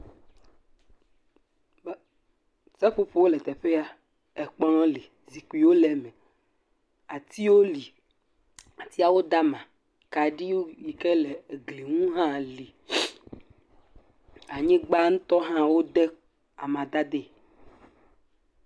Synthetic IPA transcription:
sɛ˦ɸo˦ɸo˨wo˦lɛ˨t̪ɛ˨ɸe˦a˨ | ɛ˨k͡pɔ˦lɔ̃˦li˨ | zi˨ku˨i˨wo˦lɛ˨mɛ̃˨ | a˨t̪i˦wo˦li˨ | a˨t̪i˦a˨wo˦d̪a˦mã˨ | ka˨ɖi˦wo˦ji˨kɛ˦le˨ɡli˨ŋũ˦ɦã˦li˨ | a˨ɲẽ˦ɡ͡ba˦ŋũ˦t̪ɔ˦ɦã˦wo˦d̪ɛ˦ | a˨mã˨d̪a˦d̪e˦

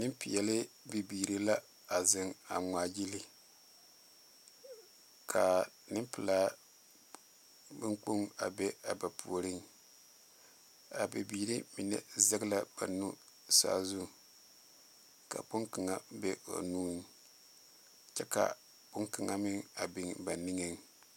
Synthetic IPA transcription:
nɨ˦pi˨jɛ˨lɪ˦bi˨biː˨ɾi˦la˦ | a˨zɪ˨ŋa̰˨ŋaː˨d͡ʒi˦li˦ | kʰa˨ | nɨ˦mpɪ˨laː˦ | bɨ˦ŋk͡pu˦ŋa˨bɛ˦a˨ba˨pʰu˨o˨ɾɨ˦ŋ | a˨bɛ˨biː˦ɾi˦mi˨nɛ̰˦zɛ˦ɡla˦b̥a˨nu˦ | sa̰ː˦zu˦˨ | ka̰˨bʊ˦ŋkɨ˨ŋa˦bɛ˦o̰˨nuː˦n˦ | t͡ʃɛ˦ka̰˨ | k͡pʊ˦ŋkɪ˨ŋa˨mɪ˦ŋa˨bɪ˨ŋba˨ni˦ŋɛ˦ŋ

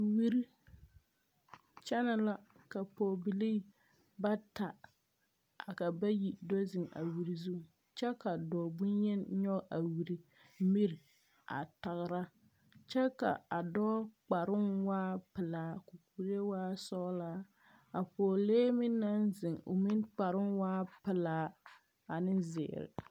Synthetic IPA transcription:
wi˦ɾi˦ | t͡ʃɛ˦na˨la˦ | ka˨pɔː˨bi˨liː˦ | ba˦ta˨ | a˨ka˨ba˦ji˨dɔ˦zɪ˨ŋa̰˨wi˨ɾi˨zu˦˨ | t͡ʃɛ˦ka˨dɔː˨bʊ˦njɛ˦n˦ɲɔ˦˨a˨wi˨ɾi˨˦ | mi˦ɾi˨ | a̰˨ta˨ɣɾa˦ | t͡ʃɛ˦ka̰˨a˨dɔː˦k͡pa˨ɾɪ˦ŋwaː˦pɪ˨laː˨˦ku˨ku˦˨ɾe˦waː˦sɔ˦laː˦ | a˨pɔː˨leː˦mi˦n˦nːa˦nzɪ˨ŋo̰˨mi˦nk͡pa˨ɾɪ˦nwaː˦pɪ˨laː˨˦ | a˨nɪ˦nzɪ̰ː˨ɾɪ̰˨

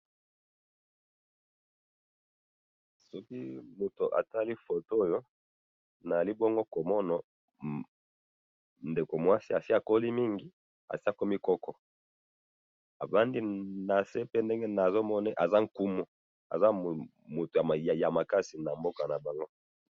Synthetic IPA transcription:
sɔ˦ki˦mo˨to˨ʔa̰˨ta˦li˦fo˨to˦˨jo˦ | na˨a˨li˦bɔ˦ŋɡo˦ko˨mɔ˦nɔ˨ | nde˨ko˨mwa˦si˦a˨si˦a˨ko˦li˦mi˦ŋɡi˨ | a̰˨si˦a˦ko˦mi˦kɔ˦kɔ˨ | a˨ba˦ndi˦na˨se˦pe˦nde˦ŋɡe˦na˨zo˦mɔ˦nɛ˦ʔa˨za˦ŋ̩˨ku˦mo˦ | a̰˨za˦˨ | mo˨to˨ja˨ma˨ka˦si˨na˨mbo˦ka˨na˨ba˨ŋɡo˦

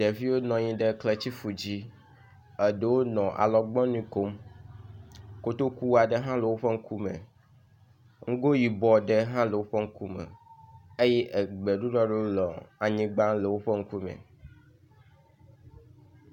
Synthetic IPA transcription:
ɖe˨vi˦wo˦nɔ̃˨ɲĩ˦ɖe˦kle˨t͡ɕi˦fu˨d͡ʑi˦ | ə˨ɖe˨wo˦nɔ̃˨ʔa̰˨lɔ˨ɡ͡bɔ̃˦nĩ˨ko˨m | ko˦t̪o˦ku˦a˨ɖe˦ɦã˦le˨wo˦ɸe˦ŋ̩˦ku˦mḛ̃˨ | ŋ̩˦ɡo˦ji˨bɔ˨ɖe˦ɦã˦le˨wo˦ɸe˦ŋ̩˦ku˦mḛ˨e˦jɛ˦ʔe˨ɡ͡be˨ɖu˦ɖɔ˦ɖe˦wo˦lɔ˨a˨ɲĩ˦ɡ͡bã˦le˨wo˦ɸe˦ŋ̩˦ku˦mḛ̃˨

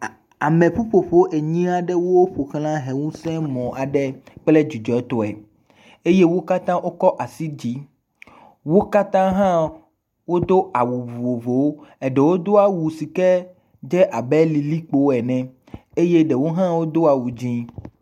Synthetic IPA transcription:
a˨mẽ˨ɸo˦ɸo˨ɸo˦ʔe˨ɲĩ˦a˨ɖɛ˦wo˦ɸo˨xl̃ã˦ɦe˨wũ˦sɛ̃˦mɔ̃˨a˨ɖɛ˦k͡ple˦d͡ʒi˨d͡ʒɔ˨ɛ˦t̪ɔ˨ɛ˨ | e˦je˦wo˦ka˦t̪ã˦wo˦kɔ˦ʔa˨si˦d͡ʑi˦ | wo˦ka˦t̪ã˦ɦã˦ | wo˦d̪o˦a˨wu˨vu˨vo˨vo˨wɛ˨ɖɛ˨wo˦d̪o˦a˨wu˨si˨kɛ˦ | d͡ʒɛ˦ʔa˨bɛ˦li˨li˦k͡po˦ɛ˨nɛ̃˨ | e˦je˦ɖɛ˨wo˦ɦã˦wo˦d̪o˦a˨wu˨d͡ʑĩ˦

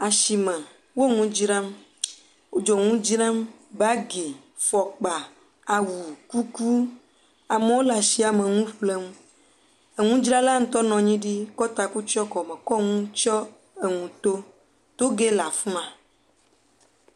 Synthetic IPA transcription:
a˨ʃi˨mɛ̃˨ | wo˦ŋũ˦d͡ʒɾã˦m | wo˦d͡ʒɔ˨ŋũ˦d͡ʒɾã˦mba˦ɡe˨ | fɔ˨k͡pa˨ | a˨wu˨ku˦ku˦ | a˨mẽ˨˦wo˦la˨si˦a˨mẽ˨ŋũ˦ɸle˦m | e˨ŋũ˦d͡ʒɾa˦la˦ŋ̩̃˦t̪ɔ˦nɔ̃˨ɲĩ˦ɖi˦kɔ˦t̪a˨ku˦t͡ʃɔ˦kɔ˨mɛ̃˨kɔ˦ŋũ˦t͡ʃɔ˦ | e˨ŋũ˨t̪o˦ | t̪o˦ɡe˦la˨fmã˨

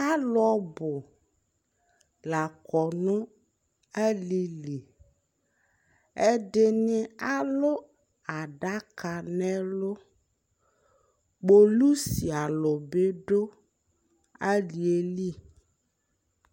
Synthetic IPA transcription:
a˦lɔ˦bo˨ | la˨kɔ˨nũ˦ | ɛ˦li˨li˨ | e˦ɖe˦nĩ˦a˦lo˦ | a˨ɖa˦ka˨nɛ̃˦lo˦ | ɡ͡bo˨lu˦si˨a˨lo˨be˦ɖo˦ | a˦li˨e˦li˦

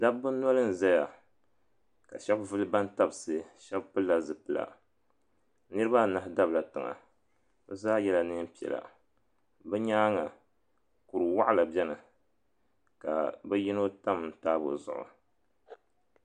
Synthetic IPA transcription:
da˦bbɨ˦n˦ɔ˦lɨ˦n̩˨zɛ˦ja˨ | ka˨ʃɛ˦bvɨ˦lɨ˦ba˦n˦ta˦bɨ˨sɨ˨ʃɛ˦bpɨ˦lːa˨zɨ˨pɨ˦la̰˨ | nɨ˦ɾɨ˦ba˦˨na˨hɪ˦da˦bla˨tɨ˨ŋa̰˨ | bɛ˦zaː˦jɛ˦la˨nɨ˦m˦pi˨ɛ̰˨la̰˨ | bɛ˦ɲaː˦ŋa˨ | ku˨ɾɨ˨wa˦ʔa˦la˨bɛ˦nɨ˨ | ka̰˨bɛ˦ji˦no˦ta˦m˨n˨taː˦bo̰˨zʊ̰˨ʔʊ̰˨

